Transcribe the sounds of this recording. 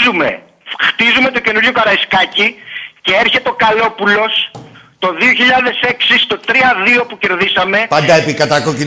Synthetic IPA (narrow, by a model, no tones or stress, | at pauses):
zume̞̰ | xt̪izume̞t̪o̞ce̞nuɾʝo̞kɐɾɐiskɐcice̞eɾçe̞t̪eo̞kɐlo̞pulo̞st̪o̞ðio̞çiʎɐðe̞se̞ksist̪o̞t̪ɾiɐðio̞puce̞ɾðisɐme̞pɐnd̪ɐepikɐt̪ɐkoci